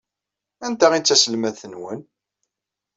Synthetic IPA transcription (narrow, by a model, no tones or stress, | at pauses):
ænt̪æʁit͡sːæsəlmæθənwən